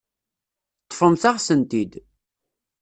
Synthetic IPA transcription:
t̪ˤːəfəmθaʁsənt̪id̪

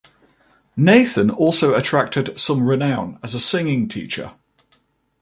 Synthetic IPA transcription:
neɪθə̃nɔˑlˠsəʊətʰɹ̥ak̚tɪd̥sə̃mɹɪnãʊ̃nəzəsɪ̃ŋɪ̃ŋtʰḭˑt͡ʃə̰

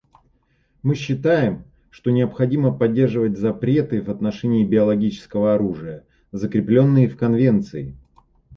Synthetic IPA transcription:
mɨɕːɪt̪ajɪm | ʂt̪onʲɪəpxɐdʲiməpɐdʲːe̞rʐɨvət̚ʲzɐpɾʲet̪ɨvɐt̪nɐʂɛnʲɪːbʲɪɐlˠɐɡʲit͡ɕɪ̥skəvəɐɾuʐɨjə | zəkɾʲɪplʲo̞nːɨjɪfkɐnvʲe̞nt̪sɨɪ

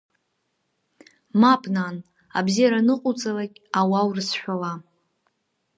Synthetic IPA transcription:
mapʼnan | a̰bzijaɾanɨqʼʊt͡sʼalakʲʼawawrɨsħʷᶣala

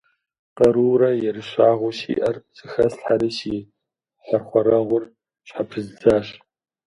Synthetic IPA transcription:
qɐɾuːɾɐjɛrɨɕaːʁʷʊʃḭːʔɐrzʼɨxɐsɬħaɾiʃiː | ħɐrχʷɔɾɐʁʷʊr | ɕħapʰɨzd͡zaːɕʼ

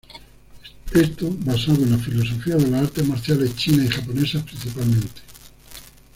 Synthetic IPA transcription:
est̪obasaðoenlafilos̬ofiaðelasaɾt̪emaɾθjalest͡ʃinaixaponesapɾin̟θipalmẽnt̪e̥

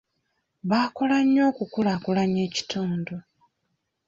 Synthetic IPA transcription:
βaːkolaɲːo̞ːkukulakulaɲe̞ːci̥tuːndu

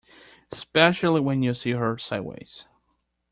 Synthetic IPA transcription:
spɛʃl̩ˠiwɨ̃njɨsiɦə˞saɪdwḛɪz̥

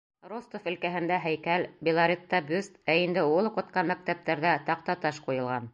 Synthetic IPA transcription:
rost̪ofɘ̆lkæɦɘ̆nd̪æɦæjkælbʲilˠɑɾʲit̪ːɑbʉst̪æind̪ɘulˠuqɤ̆t̪̚qɑnmæk̚t̪æp̚t̪æɾðæt̪ɑq̚t̪ɑt̪ɑʃqujɤ̆lˠʁɑn

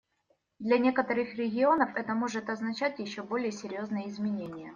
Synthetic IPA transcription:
d̪lʲɐnʲe̞kət̪əɾɨxɾʲɪɡʲɪo̞nəfɛt̪əmo̞ʐɨt̪ɐznɐt͡ɕætʲjɪɕːobo̞lʲɪjəsʲɪɾʲjo̞znəjəɪzmʲɪnʲenʲɪjə

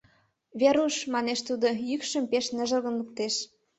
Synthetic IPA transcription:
βeɾuʃmɑneʃt̪ud̪ojykʃə̆mpeʃnə̆ʒə̆lɣə̆nluk̚t̪eʃ

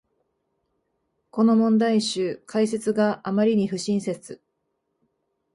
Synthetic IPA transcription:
ko̞no̞mõ̞nd̪aiɕɨːkʰais̬e̞t͡sɨɡaʔamaɾʲiɲ̟iɸɯ̟ɕĩɰ̃se̞t͡sɨ

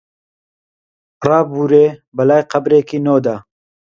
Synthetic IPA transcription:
rɑːbuːɾeːbɐlaːjqɐbɾeːkiːnoːd̪aː

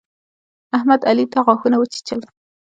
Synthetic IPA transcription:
ahmad̪alit̪aɣɑxunawət͡ʃi̥t͡ʃəl

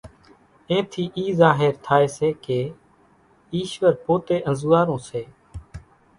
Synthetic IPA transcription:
ẽːt̪ʰiːʔiːzaːɦeɾt̪ʰaːeːseːkeː | iːʃʋəɾpoːt̪eːʔə̃zuaːɾõːseː

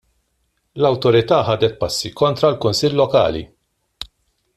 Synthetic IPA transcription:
lɐwt̪ɔɾɪt̪ɐːħɐːd̪ɛt̪̚pɐsːikɔnt̪ɾɐlkʊnsɪlːɔkɐ̰ːlḭ

